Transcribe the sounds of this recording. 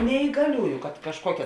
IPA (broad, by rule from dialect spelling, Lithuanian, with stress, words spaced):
nʲɛiːɡɐˈlʲuːjʊ kɐt kɐʃˈkuɔkʲɛ